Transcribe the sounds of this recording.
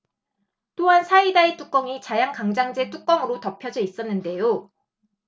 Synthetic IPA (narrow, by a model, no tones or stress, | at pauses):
t͈oɦansʰaidaet͈uk͈ʌŋit͡ɕajaŋkaŋd͡ʑaŋd͡ʑe̞t͈uk͈̚ʌŋɯɾotʌpʰjʌd͡ʑʌis͈ʌnːɯnde̞jo